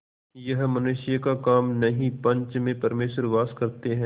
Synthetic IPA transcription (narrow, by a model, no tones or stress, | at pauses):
jɐɦmɐnuːʃɪjakakaːmnɐɦĩpɐ̃ɲt͡ʃmẽpɐɾmeːʃəɾʋaːskɐɾt̪eɦɛ̃